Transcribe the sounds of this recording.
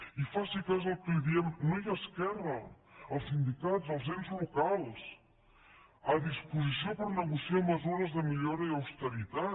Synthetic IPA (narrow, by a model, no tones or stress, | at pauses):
ifasikazəlˠkujðiɛmnojaskɛrəəlˠsind̪ikazəlˠzɛmzlukalˠs | əðispuzisiopəɾnəɣusiaməzuɾəzðəmiʎoɾəiəwst̪əɾit̪a